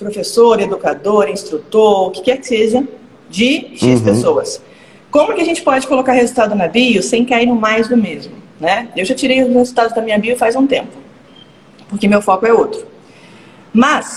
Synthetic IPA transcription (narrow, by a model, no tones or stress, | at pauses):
pɾofesoɾed̪ukad̪oɾĩst̪ɾut̪oɾʊkɪ̥kɛɾkɪ̥seʒɐ | d͡ʒɪʃispesowɐs | kõmʊkɪaʒẽnt͡ʃɪ̥pɔd͡ʒɪkolokaɾhezuwt̪ad̪ʊnaviʊsẽj̃kaiɾnʊ̃majzd̪ʊmezmʊ | nɛewʒat͡ʃiɾejʊshezuwt̪ad̪ʊzd̪ɐmĩɲɐviʊfajzũt̪ẽmpʊ̥ | poɾkɪmewfɔkʊɛowt̪ɾʊ | mɐs